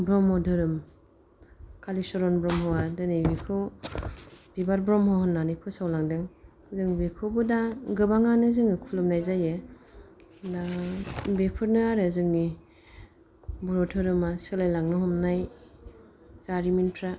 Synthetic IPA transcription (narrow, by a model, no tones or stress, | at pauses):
bɾɔmhɔdʰʱɯɾɯm | kʰalisɔɾɔnbɾɔmɦɔwadɯnibikʰɯw | b̥ibaɾbɾɔmhɔwhɯnːanɯjpʰɯsawlaŋdɯŋ | zɯŋbikʰɯwbɯdaɡɯbaŋanɯzɯŋnikʰulɯmnajzaje | dabepʰɯɾnɯaɾɯzɯŋni | buɾɔdʰɯɾɯmasɯlajlaŋnɯɦɔmnaj | zaɾiminpʰɾa